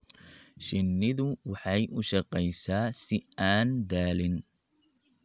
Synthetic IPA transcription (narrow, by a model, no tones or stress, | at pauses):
ʃɪnːɪðʊwɑħɑjʔʊʃɐqɛjsaːsɪaːnd̪aːlɪn